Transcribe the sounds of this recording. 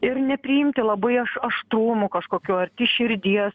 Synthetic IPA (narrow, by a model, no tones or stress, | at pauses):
ɪɾnʲɛpʲɾʲɪjɪmʲt̪ʲɪlˠɐbɐɪɐʃɐʃt̪ɾuːmʊkɐʃkoːkʲuːɐɾʲt̪ʲɪʃʲɪɾʲd̪ʲiɛs